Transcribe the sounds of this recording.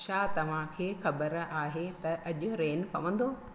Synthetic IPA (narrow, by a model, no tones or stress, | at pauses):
ʃaːt̪ɐʋ̤ãkʰeːxɐbəɾaːɦet̪ɐʔɐʄʊ̆ɾeːnpɐʋə̃n̆d̪oː